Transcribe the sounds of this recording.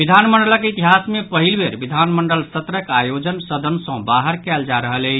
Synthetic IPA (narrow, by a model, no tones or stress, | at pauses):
bid̪ʱanməɳɖələkeit̪iɦasmepəɦilbeɾbid̪ʱanməɳɖəlsət̪ɾəkajod͡ʒənsəd̪ʱənsə̃baɦəɾkɛld͡ʒaɾəɦəlɛ